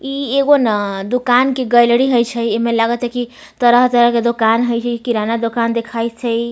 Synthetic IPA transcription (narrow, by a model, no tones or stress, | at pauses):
ieɡonad̪ukankeɡəjlɽiɦəjt͡ʃʰəjemelaɡət͡ʃʰɛki | t̪əɾəɦt̪əɾəɦked̪okanɦəjt͡ʃʰɛkikiɾanad̪okand̪ekʰaj̪t͡ʃʰəj